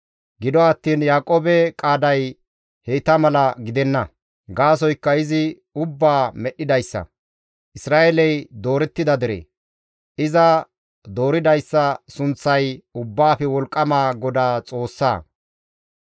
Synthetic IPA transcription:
ɡɪd̪ɔɐt̪ːiːnjaːkʼoːbɛkʼaːd̪ɐj | heːt̪ɐmɐlɐɡɪd̪ɛnːɐ | ɡaːs̬ɔjkːɐɪzɪ | ʊbːaːmɛɗːɪd̪ɐjsːɐ̰ | ʔɪsɾaːʔelɛjd̪o̞ːɾɛt̪ːɪd̪ɐd̪ɛɾḛː | ɪzɐ | d̪o̞ːɾɪd̪ɐjsːɐsʊnt͡sːɐjʊbːaːfɛwɔlkʼːɐmaːɡɔd̪aːt͡sʼo̞ːsːa̰ː

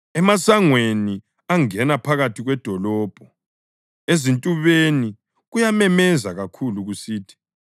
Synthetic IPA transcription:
ɛmasaŋweni | aŋɛnapʰaɣatʰiɣwɛd̥ʱɔlɔːb̥ʱɔ | ezintʼuβeni | ɣujamɛmɛzaɣakʰuluɣusiːtʰi̥

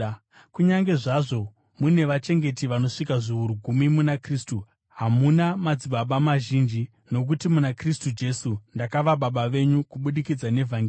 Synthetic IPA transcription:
kuɲaŋɡe̞ʐaʐo̞ | mune̞ʋat͡ʃe̞ŋɡe̞tiʋano̞ʂikaʐiuɾuɡʱumimunakriːstu | ɦamunamad͡ziɓaɓamaʒind͡ʒi | no̞k̬utimunakristud͡ʒe̞sundakaʋaɓaɓaʋe̞ɲukuɓuɗikid͡zane̞vʱaŋɡe

